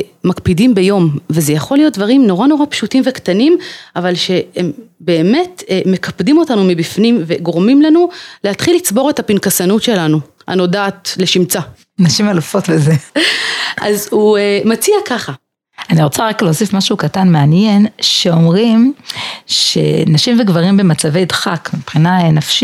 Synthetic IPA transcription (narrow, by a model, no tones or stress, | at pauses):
makpidimbejo̞mvezejaχo̞lijo̞t̚dvaʁimno̞ʁano̞ʁapʃutimvektanimʔavalʃe̞embe̞ːme̞tme̞kapdimo̞tanumibifnimve̞ɡoʁmimlanulehatχilːit͡sbo̞ʁe̞thapinkasanutʃe̞lanu | ha̰no̞daːtle̞ʃimt͡sa | naʃimalfo̞tleze | ʔazhuemat͡siakaχa | aniʁot͡saʁakleosifmaʃukatanmeanjenʃe̞o̞mʁim | ʃḛnaʃimveɡvaʁimbemat͡savejdχakmipχinanafʃi